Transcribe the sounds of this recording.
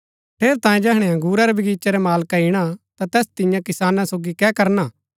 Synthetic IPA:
pʰeːɾt̪ãːjẽd͡ʒɛːɦɽ̃eɐ̃ŋɡuːɾaɾɛbʱɐɡiːt͡ʃɛɾɛmaːlkaɪɽ̃at̪at̪ɛːst̪ɪjãkɪsaːnãsoːɡikɛkɐɾna

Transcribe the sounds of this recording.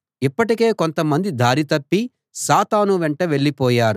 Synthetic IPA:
ipːɐʈike̞ːkont̪ɐmɐnd̪id̪ʱaːɾit̪ɐpːi | saːt̪aːnuʋɛɳʈɐʋe̞ɭːipɔːjaːɾu

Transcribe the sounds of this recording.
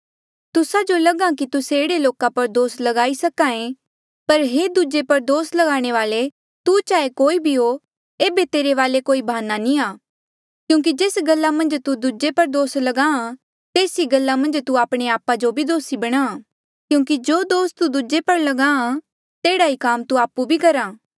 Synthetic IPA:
t̪ʊsad͡ʒolɐɡãkit̪ʊseːɽeloːkapɐɾd̪oːslɐɡaːisɐkaːẽ | pɐɾɦeːd̪uːd͡ʒepɐɾd̪oːslɐɡaːɽ̃eʋaːle | t̪ut͡ʃaːekoːibʱiɦo | eːbet̪eːɾeʋaːlekoːibʱaːnːanĩaː | kjũːk̬id͡ʒeːsɡɐlːamɐ̃nd͡ʒt̪ud̪uːd͡ʒepɐɾd̪oːslɐɡaːã | t̪eːsiɡɐlːamɐ̃nd͡ʒt̪uaːpɽ̃eaːpad͡ʒobʱid̪oːsibɐɽ̃aː | kjũːkid͡ʒoːd̪oːst̪ud̪uːd͡ʒepɐɾlɐɡaːã | t̪eːɽaikaːmt̪uaːpːubʱikɐɾaː

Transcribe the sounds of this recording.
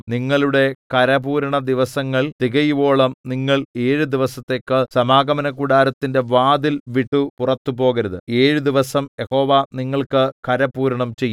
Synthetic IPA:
niŋːɐɭuɽe̞kɐɾɐbuːɾɐɳɐd̪iʋɐsɐŋːɐɭt̪iɣɐjiʋo̞ːɭɐmniŋːɐɭe̞ːɻud̪iʋɐsɐt̪ːe̞ːkːɨsɐmaːɡɐmɐnɐkuɽaːɾɐt̪ːinde̞ʋaːd̪ilʋiʈːupurɐt̪ːupo̞ːɣɐɾɐðɨ̰e̞ːɻud̪iʋɐsɐmjeho̞ːʋaniŋːɐɭkɨkɐɾɐpuːɾɐɳɐmt͡ɕejː

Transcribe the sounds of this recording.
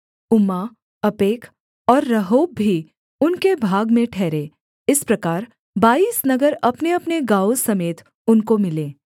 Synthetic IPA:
ʊma | ɐpeːkʰ | ɔːɾːɐɦoːbʱːi | ʊnkebʱaːɡmẽʈʰɛːɾeː | ɪspɾɐkaːɾ | baːiːsnɐɡəɾɐpneɐpneɡaːwosɐmeːt̪ | ʊnkomɪlẽː

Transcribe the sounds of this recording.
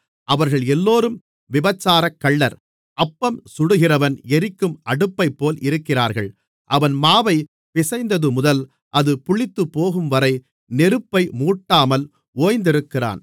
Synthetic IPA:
ʔɐʋɐɾɣɐɭɛlːoːɾɯm | ʋɪbɐt͡ʃːaːɾɐkːɐɭːɐɾ | ʔɐpːɐmsʊɽɯɣɪrɐʋɐnɛɾɪkːɯmʔɐɽɯpːɐɪpːoːlɪɾɯkːɪraːɾɣɐɭ | ʔɐʋɐnmaːʋɐɪ | pɪsɐɪnd̪ɐðɯmʊðɐl | ʔɐðɯpʊɭɪt̪ːɯpːoːɣɯmʋɐɾɐɪ | nɛɾɯpːɐɪmuːʈːaːmɐl | oːjnd̪ɪɾɯkːɪra̰ːn

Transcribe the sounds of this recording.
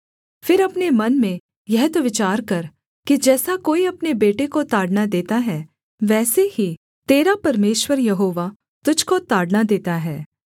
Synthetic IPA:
fɪɾɐpnemɐnmẽ | jɛɦt̪oʋɪt͡ʃaːɾkɐɾ | kid͡ʒɛːsakoːiɐpnebeːʈekot̪aːɽnad̪eːt̪aɦɛː | ʋɛːsehi | t̪eːɾapɐɾmeːʃwəɾjɐɦoːʋa | t̪ʊd͡ʒʱkot̪aːɽnad̪eːt̪aɦɛː

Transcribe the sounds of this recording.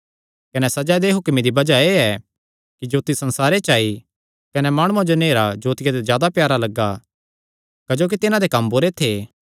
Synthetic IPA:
kɐnɛsɐd͡ʒad̪eɦʊkmid̪ibɐd͡ʒaeːɛ | kid͡ʒoːt̪isɐ̃nsaːɾet͡ʃaːi | kɐnɛmaːɽ̃ʊãd͡ʒoneːɾad͡ʒoːt̪ɪjad̪ezjaːd̪apjaːɾalɐɡːa | kɐd͡ʒoːk̬it̪ɪnãd̪ekɐmboːɾet̪ʰeː

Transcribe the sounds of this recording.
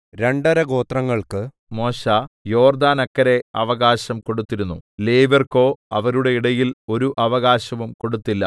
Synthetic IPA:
ɾe̞ɳɖɐɾɐɡo̞ːt̪rɐŋːɐɭkɨ | mo̞ːɕaːjo̞ːrd̪aːnɐkːɐɾe̞ɐʋɐɣaːɕɐmko̞ɽut̪ːiɾunːṵleːʋɐrko̞ːɐʋɐɾuɽe̞iɽɐjilo̞ɾuʔɐʋɐɣaːɕɐʋumko̞ɽut̪ːilːɐ̰

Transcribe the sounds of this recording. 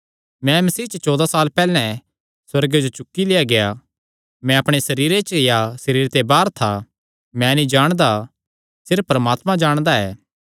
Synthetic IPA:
mɛ̃mɐsiːt͡ʃət͡ʃɔːd̪asaːlpɛːlɛ̃ | swɐɾɡed͡ʒot͡ʃʊkːileːjaɡeja | mɛ̃ɐpɽ̃esɐɾiːɾet͡ʃjasɐɾiːɾt̪ebaːɾt̪ʰa | mɛ̃nĩd͡ʒaːɽ̃d̪a | sɪɾpːɾɐmaːt̪mãd͡ʒaːɽ̃d̪aɛː

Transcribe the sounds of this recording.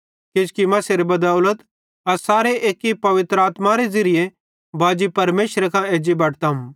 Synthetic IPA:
kɪskimɐ̃seɾebɐd̪aːʊlət̪ | ɐɾsaːɾeʔeːkːipɐʋɪt̪ɾaːt̪maɾezɐɾɪje | baːd͡ʒipɐɾmeːʃɾekʰãeːd͡ʒibɐʈʰt̪am

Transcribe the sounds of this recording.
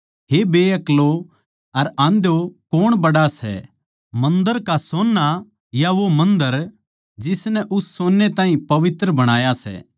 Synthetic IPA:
ɦebeːɐklo | ɐɾãːnd̪jokoːɽ̃bɐɽasɛ̰ | mɐ̃nd̪əɾkasoːnːa | jaʋomɐ̃nd̪əɾ | d͡ʒɪsnɛʔʊsːoːnːet̪aːɦĩpɐʋɪt̪ɾəbɐɽ̃aːjasɛ̰ː

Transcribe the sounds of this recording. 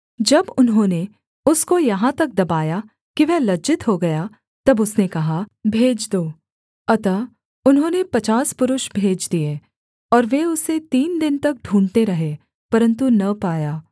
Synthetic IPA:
d͡ʒɐbʊnɦõːne | ʊskojɐɦãt̪ɐk̚d̪ɐbaːja | kiʋɛɦlɐd͡ʒɪt̪ɦoɡɐja | t̪ɐbʊsnekɐɦabʱeːd͡ʒd̪oː | ɐt̪a | ʊnɦõːnepɐt͡ʃaːspʊɾʊʃbʱeːd͡ʒd̪ie | ɔːɾʋeʊset̪iːnd̪ɪnt̪ɐk̚ɖʱũːɳɖt̪eɾɐɦe | pɐɾə̃nt̪unɐpaːjaː

